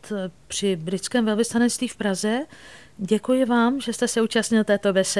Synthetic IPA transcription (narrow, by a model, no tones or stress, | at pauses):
t̪pr̝̥ɪbɾɪt͡skɛːmvɛlvɪst̪anɛtst̪viːfpɾazɛ | ɟɛkujɪvaːmʒɛst̪ɛsɛuːt͡ʃast̪ɲɪlt̪ɛːt̪o̞vɛsɛ